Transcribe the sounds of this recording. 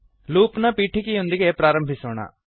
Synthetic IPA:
luːknapiːʈʰikiɦʊ̃nd̪ikepɾaːɾə̃mbʱɪsoːɳa̰ː

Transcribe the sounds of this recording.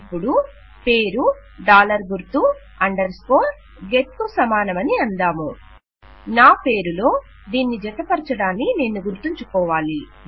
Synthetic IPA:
pːuɽu | pe̞ːɾu | ɖaːlɐɾɡuɾt̪u | ɐɳɖɐɾsko̞ːɾ | ɡet̪̚kusɐmaːnɐmɐniɐnd̪aːmu | naːpe̞ːɾulo̞ː | d̪iːnːid͡ʒɛt̪ɐpɐɾɐt͡ʃɐɽaːnːikne̞ːnːuɡuɾt̪iɲt͡ʃukɔːʋaːli

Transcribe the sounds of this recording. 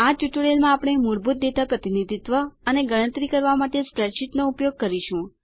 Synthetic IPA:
at͡ʃuʈuɽelmãːpɽ̃emuɾbut̪̚d̪et̪apɾət̪inid̪ʱit̪ʋəəneɡəɭ̃ə̃nt̪ɾikəɾʋamaʈespɾeʃiʈnoupjoɡ̚kəɾiʃũ

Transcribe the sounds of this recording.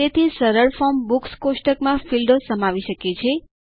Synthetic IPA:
et̪ʰisəɾəɭfɔmbukskoʃʈəkmãfilɖosəmaʋiʃəket͡ʃʰe

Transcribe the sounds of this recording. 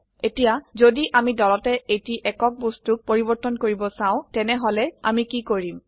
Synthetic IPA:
etijazodiʔamidɔlɔtɛʔejtiʔɛkɔk̚bostuk̚poɹibɔɹtɔnkoɹibɔsãʊ̃tɛnɛɦɔlɛa̰mikikoɹim

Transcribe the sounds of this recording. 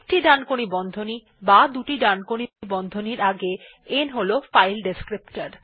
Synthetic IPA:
k̚ʈiɖankoɽibɔnd̪ʱoni | bad̪uʈiɖankoɽibɔnd̪ʱoniɾaɡe | enɦolofajlɖeskɾipʈaɾ

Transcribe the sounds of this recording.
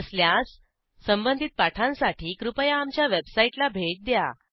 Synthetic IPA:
sljasː | əmbənd̪ʱit̪̚paʈʰãnsaʈʰiːkɾupəjaːmt͡ɕjaʋebsaiʈlabʱeʈ̚d̪ja̰

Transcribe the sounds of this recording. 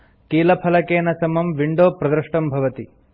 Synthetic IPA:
kiːlɐpʰɐlɐkeːnɐsɐmɐmʋiɳɖoːpɾɐd̪ɾɐʂʈɐmbʱɐʋɐt̪i

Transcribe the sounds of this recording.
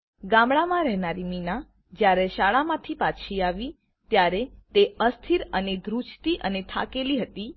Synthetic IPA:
ɡãmɭamãɾɛɦnaɾimina | d͡ʒjaɾeʃaɭamãt̪ʰipat͡ʃʰiaʋi | t̪jaɾet̪eəst̪ʰiɾəned̪ɾut͡ʃt̪iʔənet̪ʰa̰keliɦət̪i

